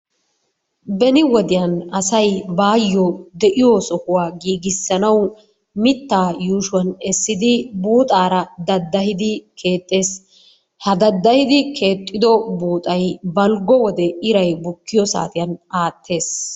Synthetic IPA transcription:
bɛnɪwɔd̪ɪjɐnɐsɐjbaːjːɔd̪ɛʔɪjosɔhʊwaːɡiːɡɪsːɐnɐw | mɪt̪ːaːjuːʃʊwɐnɛsːɪd̪ɪbuːt̪ʼaːɾɐd̪ɐd̪ːɐhɪd̪ɪkʰe̞ːt̪ʼːe̞ːs | hɐd̪ɐd̪ːɐhɪd̪ɪkʰe̞ːt̪ʼːɪd̪ɔbuːt̪ʼɐjbɐlɡɔwɔd̪ɛɪɾɐjbʊkːɪjɔsa̰ːt̪ɪjɐnaːt̪ʰːe̞ːs

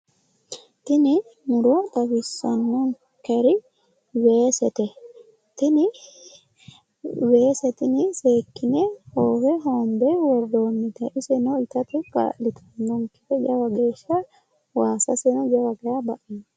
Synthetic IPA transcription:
t̪ɪnɪnʊɾot̪ʼɐbɪsːɐnːɔŋ | kɛɾɪ | weːsɛt̪ɛ | t̪ɪnɪ | weːsɛt̪ɪnɪseːkːɪnɛhoːwɛɦoːnd̪ɛwɔd̪oːnːɪt̪ɐʔɪsɛnɔɪt̪ɐt̪ʊka̰ʔlɪt̪ʰɐnːɔŋkɛ̥t̪ɛd͡ʒɐwɐɡe̞ːʃːɐ | waːsɐsɛnɔd͡ʒɐwɐɡɐjabɐʔɪn

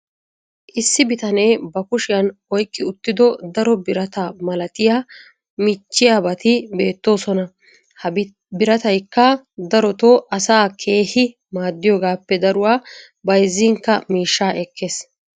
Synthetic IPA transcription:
ʔɪsːɪbɪt̪ɐne̞ːbɐkʊʃɪjɐnɔjkʼːɪʊt̪ːɪd̪ɔd̪ɐɾɔbɪɾɐt̪amɐlɐt̪ɪjaː | mɪt͡ʃːɪjaːbɐt̪ɪbe̞ːt̪ːo̞ːsɔnɐ | hɐ | bɪɾɐt̪ɐjkːɐ | d̪ɐɾɔt̪oːʔɐsaːkʰe̞ːhɪ | maːd̪ːɪjoːɡaːpːɛd̪ɐɾʊwaː | bɐjzːiːŋkːɐmiːʃːaːʔɛkːe̞ːs

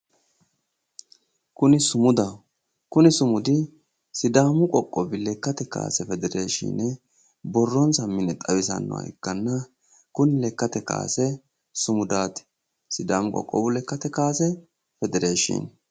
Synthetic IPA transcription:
kʊnɪsʊmʊd̪a | kʊnɪsʊmʊd̪ɪ | sɪd̪aːmʊkʼɔkʼːɔbɪlɛkːɐt̪ɛka̰ːsɛfɛd̪ɛɾeːʃḭːnɛ | bɔrːɔnsɐmːɪnɛt̪ʼɐwɪsɐ̰nːɔ̰wɐ̰ɛ̰kːɐnːɐ | kʊnɪlɛkːɐt̪ɛka̰ːsɛ | sʊmʊd̪aːt̪ | sɪd̪aːmʊkʼɔ̰kʼːɔ̰bʊlɛkːɐt̪ɛkaːsɛ | fɛd̪ɛɾeːʃḭːn

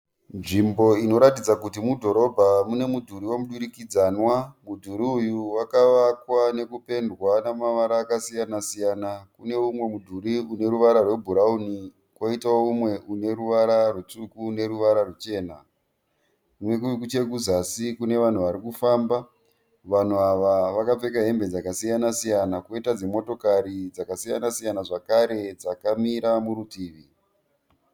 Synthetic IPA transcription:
nʐimbo̞ino̞ɾatid͡zakutimudʱo̞ɾo̞bʱamune̞mudʱuɾiwamuɗuɾikid͡zaːnwamudʱuɾiujuwakaʋakwane̞kupe̞ndwanamaʋaɾaːkasijanasijanakune̞umwe̞mudʱuɾiune̞ɾuʋaɾarwe̞bʱuɾauni | kwoitaumwe̞ʔune̞ɾuʋaɾarut͡sukune̞ɾuʋaɾarut͡ʃe̞ːna | umwe̞k̬uik̬ut͡ʃe̞ɡʱuzasikune̞ʋan̤uʋaɾikufaːmba | ʋan̤uaʋaʋakap͡fe̞kaɦe̞mbe̞d͡zakasijanasijanakoitad͡zemo̞to̞kaɾid͡zakasija̰nasijanaʐakaɾe̞d͡zakamiɾamuɾutiːʋi

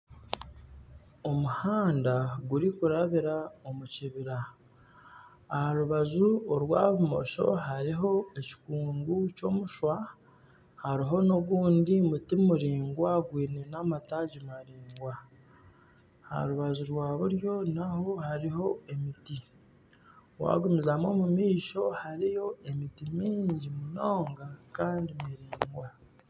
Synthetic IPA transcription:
o̞muhaːndaɡuɾikuɾaβiɾaomuciβiɾa | haɾuβazuoɾwaːβumo̞̰ʃo̞̰ɦaɾiɦo̞e̞ci̥kuːŋɡuco̞ːmuʃwa | haɾiɦo̞no̞βuːndimutimuɾiːŋɡwaɡwiːnenamataɟimaɾiːŋɡwa | ha̰ɾuβazuɾwaːβuɾjo̞naho̞haɾiɦo̞e̞miti | wa̰ɡumizamo̞mumiːʃo̞haɾijo̞e̞mitimiːɲɟimuno̞ːŋɡakaːndimiɾiːŋɡwa

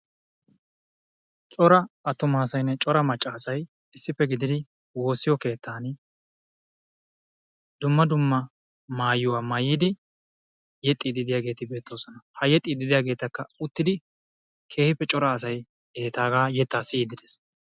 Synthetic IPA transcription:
t͡ʃʼɔɾɐɐt̪ːʊmaːsɐjnːɛt͡ʃʼɔɾɐmɐt͡ʃʼːaːsɐj | ɪsːɪpːɛɡɪd̪ɪd̪ɪ | wo̞ːsːɪjɔke̞ːt̪ʰːaːn | d̪ʊmːɐd̪ʊmːɐ | maːjːʊwaːmaːjɪːd̪ɪ | jɛt̪ʼːiːd̪ɪd̪ɪjaːɡe̞ːt̪ɪbe̞ːt̪ːo̞ːsɔnɐhɐjɛt̪ʼːiːd̪ɪd̪ɪjaːɡe̞ːt̪ɐkːɐʊt̪ːɪd̪ɪ | kʰe̞ːhɪpːɛt͡ʃʼɔɾɐːs̬ɐj | ɛɛt̪aːɡaːjɛt̪ːaːsɪiːd̪ɪd̪es

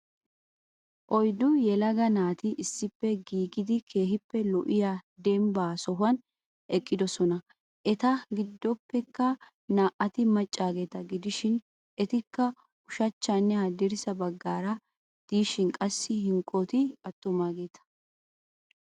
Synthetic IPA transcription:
ʔɔjd̪ʊjɛlɐɡɐnaːt̪ɪʔɪsːɪpːɛɡiːɡɪd̪ɪkʰe̞ːhɪpːɛlɔʔɪjaːd̪ɛmbaːsɔɦʊɐn | ʔɛkʼːɪd̪ɔsɔnɐ | ʔɛt̪ɐɡɪd̪ːɔpːɛkːɐ | naːʔɐt̪ɪmɐt͡ʃʼːaːɡeːt̪ɐɡɪd̪ɪʃɪn | ʔɛt̪ɪkːɐ | ʊʃɐt͡ʃːaːnːɛhɐd̪ɪɾɪsɐbɐɡːaːɾɐ | d̪̥iːʃɪnkʼɐsːɪɦɪŋkʼːot̪ɪɐt̪ːʊmaːɡe̞ːt̪ɐ̥

